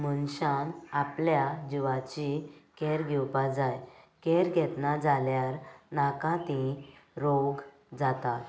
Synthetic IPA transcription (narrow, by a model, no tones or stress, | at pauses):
mənɕanapljad͡ʑiʋat͡ɕikeɾɡʱɛwpad͡zajkeɾɡʱɛt̪nad͡zaljaɾnakãt̪ĩɾoɡ | d͡zat̪at̪